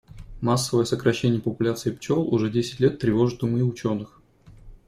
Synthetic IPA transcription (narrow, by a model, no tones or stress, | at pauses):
masːəvəjəsəkɾɐɕːenʲɪjəpəpʊlʲat̪sɨɪpt͡ɕo̞lˠʊʐɛdʲesʲɪ̥tʲlʲet̪ːɾʲɪvo̞ʐɨt̪d̪ʊmɨʊt͡ɕo̞nːɨx